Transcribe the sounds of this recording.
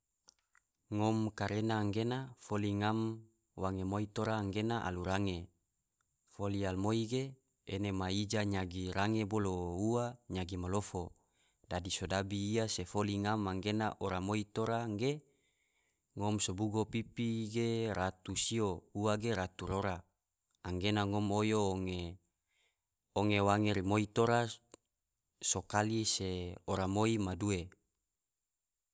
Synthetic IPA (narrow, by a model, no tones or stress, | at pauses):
ŋɔmkaɾenaːŋɡenafoliŋam | waŋemoit̪oɾaːŋɡenaʔa̰luɾaŋe | folialmoiɡe | enemaid͡ʒaɲaɡiɾaŋebolouaɲaɡimalofo | dadisodabiːasefoliŋamːaŋɡenaʔoɾamoit̪oɾaŋɡe | ŋɔmsobuɡopipiɡeɾat̪usiouaɡeɾat̪uɾoɾa | aŋɡenaŋɔmojoːŋe | oŋewaŋeɾimoit̪oɾa | sokaliseoɾamoimadue